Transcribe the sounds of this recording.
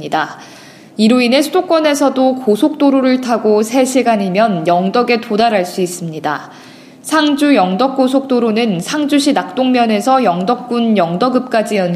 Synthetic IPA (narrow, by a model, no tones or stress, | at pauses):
ida | iɾoine̞sʰudok͈wʌne̞sʰʌdokosʰok̚t͈oɾoɾɯɭtʰaɡosʰe̞ɕʰiɡaɲimjʌnjʌŋdʌɡe̞todaɾaɭs͈uis͈ɯmɲida | sʰaŋd͡ʑujʌŋdʌk̚k͈osʰok̚t͈oɾonɯnsʰaŋd͡ʑuɕʰinak̚t͈oŋmjʌne̞sʰʌjʌŋdʌk̚k͈unjʌŋdʌɡɯp̚k͈ad͡ʑijʌn